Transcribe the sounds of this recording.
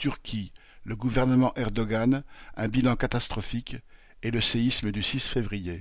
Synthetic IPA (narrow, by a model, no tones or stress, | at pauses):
t̪yʁkʲʰi | ləɡuvɛʁnəmɑ̃ʔɛʁd̪ɔɡanɛ̃bilɑ̃kat̪ast̪χɔfik | eləseisməd̪ysisfevʁije